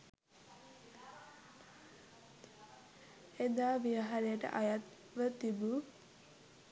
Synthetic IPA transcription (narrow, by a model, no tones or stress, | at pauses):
ed̪aːʋiəɦaɾejəʈə̰ʔajat̪ | ʋət̪ibu